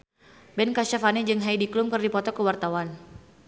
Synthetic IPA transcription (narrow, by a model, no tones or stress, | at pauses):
bɛnkaʃafanɛd͡ʒɨŋɦaidiklʊmkɨrdipɔt̪ɔkəwart̪awan